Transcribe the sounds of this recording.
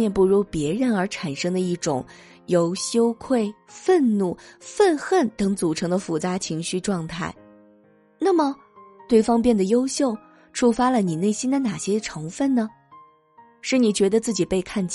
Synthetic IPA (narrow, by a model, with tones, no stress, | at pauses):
ɛ˥˧npu˥˧ɻu˧˥pjɛ˧˥ɻə˧˥nə˞˧˥ʈ͡ʂʰa˨˩nʂɤ˥ŋd̪ə˧i˥˩ʈ͡ʂʊ̰˨˩˦ŋ | jo˧˥ʊɕjo˥ʊkʰwe˥˩ɪfə˥˧nnu˥˩fə˥˧nxə˥˩nt̪ɤ˧˥ŋt͡su˨˩ʈ͡ʂʰɤ˧˥ŋd̪ə˧fu˨˩t͡sa˧˥t͡ɕʰi˧˥ŋɕy˥˧ʈ͡ʂwɑ˥˧ŋt̪ʰa˥˩ɪ | na˥˩mə˩ | t̪we˥˩ɪfɑ˥ŋp̬jɛ˥˩nd̪ə˩jo˥ʊɕjo˥˩ʊ | ʈ͡ʂʰu˥fa˥lə˨ni˨˩ne˥˩ɪɕi˥nd̪ə˨na˨˩ɕjɛ˥ʈ͡ʂʰɤ˧˥ŋfə˥˩nnə˩ | ʂɻ̩˥˩ni˨˩t͡ɕɥɛ˧˥d̪ə˧t͡sɹ̩˥˩t͡ɕi˨˩pe˥˧ɪkʰa˥˧nt͡ɕ